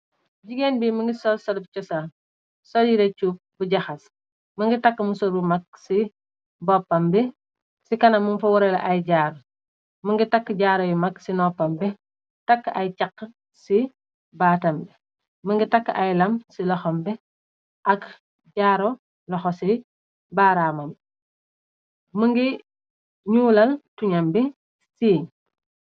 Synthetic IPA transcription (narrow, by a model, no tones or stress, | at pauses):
ɟiɡenbiməŋɡisɔlsɔlp̚t͡ʃɔsa | sɔljiɾɛt͡ʃup̚buɟɐxɐs | mɐŋɡitɐkːəmusɔɾbumɐk̚si | bɔpːɐmbɛ | sikɐnɐmunfɐwɔɾɛlɐʔɐjɟaːɾ | mɐŋɡitakːɟaːɾɔjmɐksinɔpːɐmbɛ | tɐkːɐjt͡ʃɐkːə | si | baːtɐmbi | məŋɡitakːɐjlɐmsilɔxɔmbɛ | ʔɐk | ɟaːɾɔ | lɔxɔsi | baːɾamɐm | məŋɡi | ɲuːlɐltuɲɐmbi | siːɲ